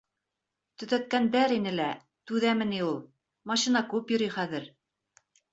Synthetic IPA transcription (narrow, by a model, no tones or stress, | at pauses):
t̪ɵ̆ðæt̪̚kænd̪æɾinɘlæ | t̪ʉðæmɘ̆niulˠ | mɑɕinɑkʉpjŏɾiχæðɘɾ